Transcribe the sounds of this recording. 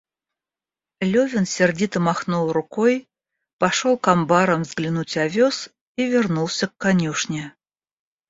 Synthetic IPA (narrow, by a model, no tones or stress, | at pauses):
lʲovʲɪnsʲɪrdʲit̪əmaxnulˠrʊkoj | pɐʂolˠkambaɾəmvzɡlʲɪnutʲavʲos | ivʲɪrnulˠsʲəkːanʲuʂnʲɪ